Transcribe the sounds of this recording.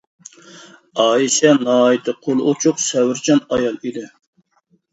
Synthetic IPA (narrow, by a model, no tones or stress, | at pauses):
ɑːiʃɛnɑːit̪ʰɨqʰolˠot͡ʃʰʊqsɛwɪɾt͡ʃʰɑnɑjɑlˠid̪ɪ